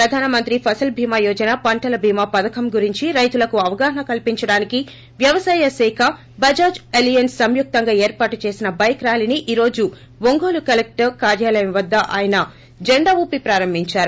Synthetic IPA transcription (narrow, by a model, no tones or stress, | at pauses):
pɾɐd̪ʱaːnɐmɐnt̪ɾipʰɐsɐlbʱiːmaːjɔːd͡ʒɐnaːpɐɳʈɐlɐbʱiːmaːpɐd̪ɐkʰɐmɡuɾiɲt͡ʃiɾɐjt̪ulɐkuɐʋɐɡaːɦɐɳɐkɐlpiɲt͡ʃɐɽaːniki | ʋjɐʋɐsaːjɐsɛːkʰɐ | bɐd͡ʒaːd͡ʒelijɐnsːɐmjuk̚t̪ɐŋɡaːeːɾpaːʈut͡ʃe̞ːsinɐbɐjkɾaːliniʔiːɾo̞ːd͡ʒu | ʋoŋɡoːlukɐlek̚ʈɐɾkaːɾjaːlɐjɐmʋɐd̪ːɐʔa̰ːjɐnɐ | d͡ʒeɳɖaːʋuːpipɾaːɾɐmbʱiɲt͡ʃaːɾu